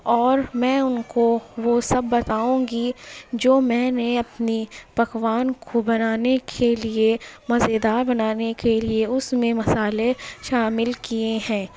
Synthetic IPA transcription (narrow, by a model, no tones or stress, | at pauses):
ɔːɾmɛ̃ːʊnkoʋosɐbːɐt̪aːũːɡid͡ʒoːmɛ̃ːneɐpnipɐkʋaːnkʰobɐnaːnekʰeliemɐzed̪aːɾbɐnaːnekelieʊsmẽmɐsaːleʃaːmɪlkieɦɛ̃ː